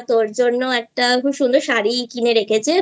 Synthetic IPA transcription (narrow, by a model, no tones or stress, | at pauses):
t̪oɾd͡ʑonːoɛk̚ʈakuʃund̪ɾoɾʃaɾikineɾekʰet͡ɕʰe